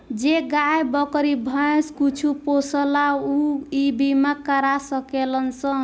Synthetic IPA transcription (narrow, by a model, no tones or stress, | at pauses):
d͡ʒeɡajbəkɾibʱəẽskut͡ʃʰuposəlauibimekəɾasəkelənsə